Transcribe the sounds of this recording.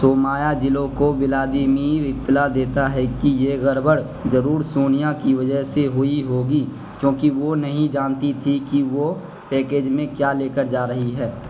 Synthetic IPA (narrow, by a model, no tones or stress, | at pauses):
soːmaːjad͡ʒɪlõkobɪlaːd̪imiːɾɪt̪ːlad̪eːt̪aɦɛkijeɣəɾbəɽ | zəɾuːɾsoːnijakiʋəd͡ʒəɦseɦʊiɦoːɡi | kjõːkiʋonɐɦĩd͡ʒaːnt̪it̪ʰikiʋo | pɛːkeːd͡ʒmẽkjaːleːkəɾd͡ʒaːɾɐɦiɦɛː